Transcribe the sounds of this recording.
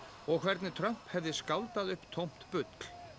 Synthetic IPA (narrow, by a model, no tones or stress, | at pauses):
ɔɣkʰvɛɾt̪nɪt̪ʰɾœm̥phɛvðɪskaːwt̪aðʏhpt̪ʰowm̥t̪pʏt̪l̥